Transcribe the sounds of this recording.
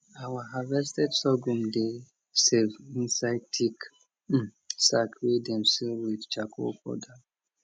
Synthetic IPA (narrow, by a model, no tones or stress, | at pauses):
awahavɛstɛdsɔɡũmde | sevĩnsaɪd̚tʰik̩ | sakʰwedɛ̃msɛlwidt͡ʃakʰo̰kɔ̰da